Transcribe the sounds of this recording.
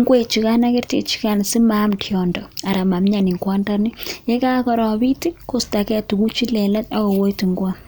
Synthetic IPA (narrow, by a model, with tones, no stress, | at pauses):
ŋɡwe˨t͡ʃi˨ka˦na˦kɛ˦rtḛ˨t͡ʃi̥˦ka˨n˨si˦ma˦mtʰjɔ˨ndɔ˨a˨ɾa˨ma˨mɲa˨ni˨ŋkwa˦nda˦ni˦jɛ˦ka˦kɔ˨ɾɔ˨bi˦ti˦ko˦sta˨kɛ˦tu˨ku˦t͡ʃi˦lɛ˨lɛ˦ta˦kɔ˨wo˦jti˨ŋɡwa˦